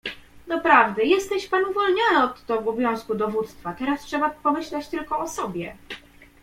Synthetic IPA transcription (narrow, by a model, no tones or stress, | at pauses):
d̪ɔpɾavd̪ɘjɛst̪ɛɕpanuvɔlɲɔnɘɔt̪ːɔɡubʲjɔ̃w̃skud̪ɔvut̪st̪fat̪ɛɾastʂɛbapɔmɘɕlɛt͡ɕt̪ɘlkɔɔsɔbʲjɛ